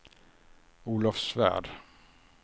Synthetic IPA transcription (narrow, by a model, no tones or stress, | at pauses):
uːlafsvæ̰ɖ